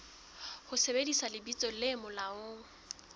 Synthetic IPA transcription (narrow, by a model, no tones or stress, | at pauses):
hʊsebedisalɪbit͡sʼɔlɪmʊlaʊːŋ̩